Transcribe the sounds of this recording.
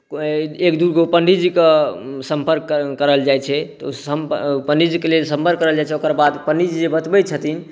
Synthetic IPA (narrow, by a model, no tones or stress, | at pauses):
ekd̪uɾɡopəɳɖʱid͡ʒikesəmpəɾkːəɾəld͡ʒajt͡ʃʰɛt̪ɔəmpəɳɖʱid͡ʒikelelsəmpəɾkːəɾəld͡ʒajt͡ʃʰɛokəɾbad̪pəɳɖʱid͡ʒid͡ʒebət̪bət͡ʃʰət̪in